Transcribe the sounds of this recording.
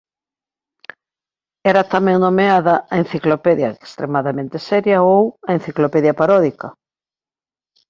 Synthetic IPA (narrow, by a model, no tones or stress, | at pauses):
ɛɾɐt̪amɛ̃ŋnomeaðɐɐen̟θiklopɛðjɐekst̪ɾemaðamẽnt̪esɛɾjɐowɐen̟θiklopɛðjɐpaɾɔðikɐ